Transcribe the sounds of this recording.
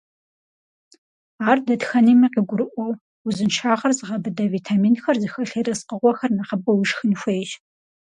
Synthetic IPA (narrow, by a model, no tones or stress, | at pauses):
aːrdɐdxɐniːmɐqiɡʷʊɾɨʔʷɔw | uzɨnʃʰaːʁɐrzɨʁɐbɨdɐviːtʰaːmiːnxɐrzɨxɐɬɐɾɐsqəʁʷɔxɐrnɐχɐbʼɐwiʂxɨnxʷejʒ